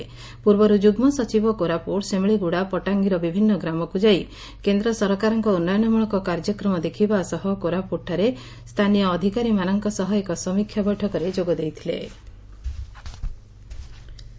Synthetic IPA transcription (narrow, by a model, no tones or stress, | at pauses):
puɾbɔɾud͡ʒuɡmɔsɔt͡ʃibɔkoɾapoɽsemiɭiɡuɽapɔʈaŋɡiɾɔbibʱinːɔɡɾamɔkud͡ʒai | kend̪ɾɔsɔɾkaɾɔŋkɔunːajɔnɔmuɭ̃ɔkɔkaɾd͡ʒɔkɾɔmɔd̪ekʰibasɔɦɔkoɾapuʈʰaɾe | st̪ʰanijɔːd̪ʱikaɾimanɔŋkɔsɔɦɔekɔsɔmikʰjabɔjʈʰɔkɔɾed͡ʒoɡɔd̪ejt̪ʰilḛ